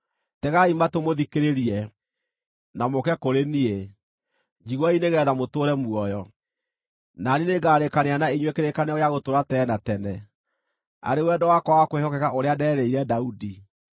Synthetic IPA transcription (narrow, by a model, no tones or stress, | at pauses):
tɛɣaimatomoðikeɾeɾiɛ | namokɛkoɾenie | d͡ʑiɣwɔineɣɛːðamotoːɾɛmuɔjɔ | nanineɡaːɾekaneanaiɲwekeɾekaneɔjaɣotoɾatɛnatɛnɛ | a̰ɾewɛdɔwakɔwakwehɔkɛkaoɾeadɛːɾeiɾɛdaudi